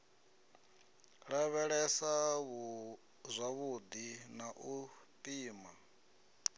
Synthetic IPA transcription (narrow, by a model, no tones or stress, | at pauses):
ɺaβɛɺɛsaβu | zʷaβud̪inaʔupʼiːma